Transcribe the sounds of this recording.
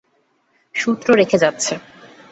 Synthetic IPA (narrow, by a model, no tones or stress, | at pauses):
ʃut̪ːɾoɾekʰed͡ʑatːɕʰe